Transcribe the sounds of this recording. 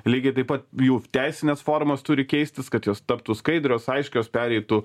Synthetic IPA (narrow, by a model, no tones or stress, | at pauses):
lʲiːɡʲɪt̪ɐɪpɐt̪juːt̪ʲæɪsʲɪnʲɛsfoːɾmost̪ʊɾʲɪkʲɛɪsʲt̪ʲɪskɐt̪joːst̪ɐpt̪uːskɐɪd̪ɾʲoːsɐɪʃʲkʲɛjoːspʲæːɾʲɛɪt̪uː